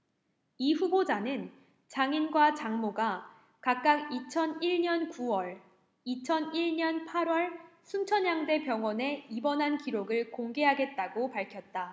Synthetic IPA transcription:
iɸubod͡ʑanɯn | t͡ɕaŋinɡwat͡ɕaŋmoɡa | kak̚k͈aɡit͡ɕʰʌniɭɲʌnkuwʌɭ | it͡ɕʰʌniɭɲʌnpʰaɾwʌɭsʰunt͡ɕʰʌnjaŋde̞pjʌŋwʌne̞ibʌnɦankiɾoɡɯɭkoŋɡe̞ɦaɡe̞t̚t͈aɡopaɭkʰjʌt̚t͈a

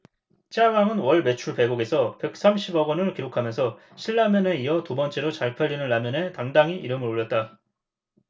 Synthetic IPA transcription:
t͡ɕ͈aɡaŋɯnwʌɭme̞t͡ɕʰuɭpe̞ɡoɡe̞sʰʌpe̞k̚s͈amɕʰibʌɡʌnɯɭkiɾokʰamjʌnsʰʌ | ɕʰiɭːamjʌne̞iʌtubʌnt͡ɕ͈e̞ɾot͡ɕaɭpʰaʎːinɯnːamjʌne̞taŋdaŋiʔiɾɯmɯɾoʎːʌt̚t͈a

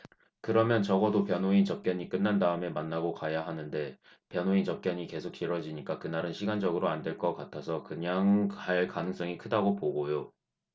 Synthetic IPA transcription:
kɯɾʌmjʌnt͡ɕʌɡʌdopjʌnoint͡ɕʌp̚k͈jʌɲik͈ɯnːandaɯme̞manːaɡokajaɦanɯnde̞ | pjʌnɦoint͡ɕʌp̚k͈jʌɲike̞sʰok̚t͡ɕ͈iɾʌd͡ʑiɲik͈akɯnaɾɯnɕʰiɡand͡ʑʌɡɯɾoandwe̞ɭk͈ʌk͈atʰasʰʌkɯɲaŋaɭkanɯŋs͈ʌŋikʰɯdaɡopoɡojo

